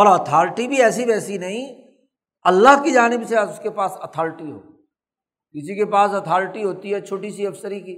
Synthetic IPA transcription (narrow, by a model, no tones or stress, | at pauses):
ɔːɾɐt̪ʰaːɾɪʈibʱiɛːsiʋɛːsinɐɦĩ | ɐlːaɦkid͡ʒaːnɪbseʊskepaːsɐt̪ʰaːɾɪʈiɦo̰ː | kɪs̬ikepaːsɐt̪ʰaːɾʈiɦoːt̪iɦɛt͡ʃʰoːʈisiɐbsəɾikiː